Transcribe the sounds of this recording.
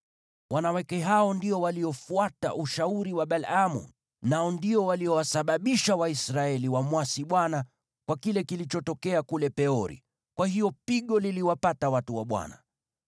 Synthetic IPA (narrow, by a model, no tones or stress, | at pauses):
wanawɛkɛɦaɔndiɔwaliɔfuata̰ʔuʃauɾiwaɓalamṵ | naɔndiɔwaliɔwasaɓaɓiʃawaisɾaɛliwamwasiɓwana | kwakilɛkilit͡ʃɔtɔkɛakulɛpɛɔɾḭ | kwahijɔpiɠɔliliwapatawatuwaɓwa̰na̰